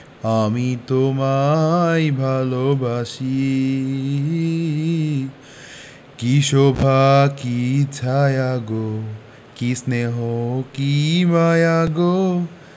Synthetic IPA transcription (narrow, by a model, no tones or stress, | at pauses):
amit̪omaibʱaːlobʱaːsi | kiʃobʱakit͡ʃʰajaɡo | kisneɦokimajaɡo